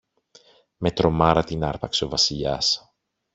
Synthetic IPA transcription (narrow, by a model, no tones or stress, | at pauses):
me̞t̪ɾo̞mɐɾɐt̪inɐɾpɐkseo̞vɐsiʎɐs